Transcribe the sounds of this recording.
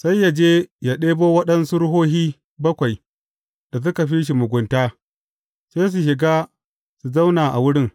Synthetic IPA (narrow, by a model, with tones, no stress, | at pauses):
sa˦jːa˨d͡ʒeː˦ja˦˨ɗeː˦boː˦wɐ˦ɗɐ˦nsu˦ɾɦoː˦ɦiː˦ | bɐ˦kʷa˨j | d̥a˨s̬ʊ˦ka˨ɸi˦ʃ̬i˨mʊ˨ɡʷʊ˨ntaː˦ | sa˦s̬u˨ʃɪ˨ɡaː˦ | su˨za˦wnaː˨ʔa̰˨wʊ˦ɽɪ˦ŋ